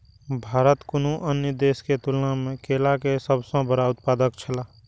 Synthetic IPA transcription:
bʱaːɾət̪kʊnuʔənjəd̪eːsket̪ʊlənamẽkeːlakesəbsə̃bəɾaʊt̪̚paːd̪əkt͡ʃʰəlaː

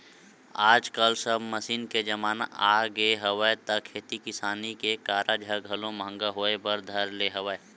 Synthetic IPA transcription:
aːd͡ʒkəlsɐbmɐsiːnked͡ʒɐmaːna̰aːɡeɦəʋəet̪ɐkʰeːt̪ikɪsaːnikekaːɾʔad͡ʒʱəɡʱɐlõmə̃ŋɡaɦoːebɐɾd̪ʱɐɾleɦəʋəe

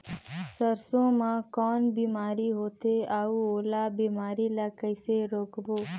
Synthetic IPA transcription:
səɾsõːmãːkɔːnbiːmaːɾiɦoːt̪eaːuːoːlaːbiːmaːɾiːlaːkəɪseɾoːkboː

